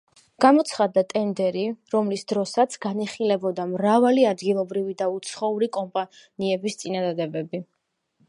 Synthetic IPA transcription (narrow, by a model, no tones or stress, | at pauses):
ɡ̥amɔt̪sʰχad̪at̪ʼɛnd̪ɛɾiɾɔmlisd̪ɾɔsat̪sʰɡaniχilɛbɔd̪amɾavaliad̪ɡilˠɔbɾivid̪aut̪sʰχɔuɾikʼɔmpʼaniɛbist̪sʼinad̪ad̪ɛbɛbi